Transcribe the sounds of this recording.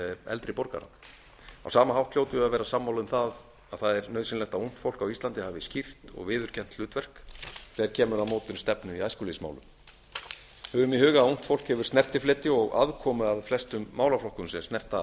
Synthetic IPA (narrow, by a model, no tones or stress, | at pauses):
ɛ̰lt̪ɾɪpɔɾka̰ɾa̰ | a̰wsaːmaɦawht̪ʰl̥jowt̪ʏavɛːɾasamːawlʏmθað | aðθaðɛɾnœːɥðsɪnlɛht̪aun̥t̪fowlkawist̪ant̪ɪhaːvɪscift̪ɔ̰ɣvɪːðʏɾ̥cʰɛn̥t̪lʏːt̪vɛr̥kθɛːɾ̥cʰɛːmʏɾawmɔːt̪ʏnst̪ɛpnʏiaːjskuːlisma̰wlʏ̰m | hɛːvʏmihʏːɣaaun̥t̪fowl̥khɛvʏɾ̥snɛr̥t̪ɪflɪːt̪ɪɔɣa̰ðkʰɔːmʏaðflɛst̪ʏmːaːwlaflɔhkʏmsɛst̪nɛr̥t̪a